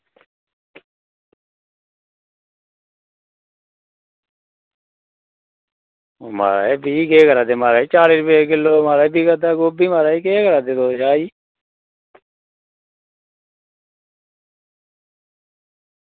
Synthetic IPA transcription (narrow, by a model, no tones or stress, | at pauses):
oma̰ːɾa̰ːeːbʱiːkeːɡəɾaːd̪eːmaːɾaːet͡ʃaːɾiːɾʊpeekɪlːoːmaːɾaːeːbiːɡəd̪aːɡoːbiːmaːɾaːiːkeːɡəɾaːd̪eːd̪oːd͡ʒaːiː